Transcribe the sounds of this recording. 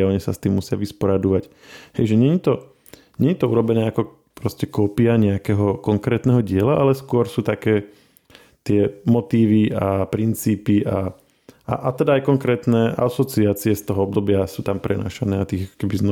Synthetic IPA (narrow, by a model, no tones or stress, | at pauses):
ɔɲɛsa̰st̪iːmːusɪaʋispɔɾad̪uʋac | hɛjʒɛɲɛɲit̪ɔ | ɲɛɲit̪ɔuɾɔbɛnɛːakɔ | pɾɔscɛkɔːpiaɲɛakɛɦɔkɔŋkɾɛːt̪nɛɦɔɟɪɛlaʔalɛskʊɔɾsuːt̪akɛː | t̪ɪɛmɔt̪iːʋiapɾint͡siːpiʔa | a̰ʔat̪ɛd̪aːjkɔŋkɾɛːt̪nɛʔa̰sɔt͡siaːt͡siɛst̪ɔɦɔɔb̚d̪ɔbɪasuːt̪ampɾɛna̰ːʃanɛːat̪iːɣakɔ̥kɛbiznɔ